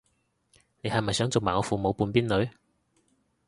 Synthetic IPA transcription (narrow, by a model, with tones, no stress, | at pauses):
ne˨˧jhɐ˨jmɐ˨jsœː˨˥ŋt͡so˨wmaː˨ɔː˨˧fuː˨mo˨˧wpuː˧npiː˥nlɵ˨˧ɥ